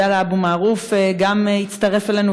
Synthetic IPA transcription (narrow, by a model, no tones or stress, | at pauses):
alaabumaːʁufɡamehit͡staʁe̞fele̞nu